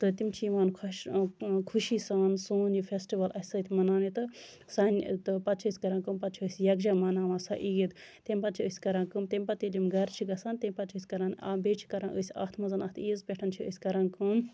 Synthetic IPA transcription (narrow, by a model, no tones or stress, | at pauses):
t̪ɨt̪imt͡ʃʰiʋaːnkʰɐʃkʰuʃiːsaːnsuːnifʰʲesʈiʋɐlʔɐsɐt̪ʰʲmɐnaːnit̪ɨ | sɐnt̪ɨpɐt̪t͡ʃʰiːsʲkɐɾaːnkɨmpɐt̪t͡ʃʰiəːsʲjɐɡd͡ʒaːmɐnaːʋãːsaʔijid̪t̪emʲpɐt̪t͡ʃʰiəːsʲkɐɾãːkɨmt̪emʲpɐt̪ilʲimɡɐɾt͡ʃʰiɡɐsaːnt̪ʲemʲpɐt̪t͡ʃʰɨːsʲkɐɾaːna̰ːbeːt͡ʃʰi̥kɐɾãnʔəːsʲɐ̰ːht̪ʰmɐnzɐnɐt̪ʰiːzpʲeʈʰɐnt͡ʃʰiə̰sʲkɐɾaːnkɨm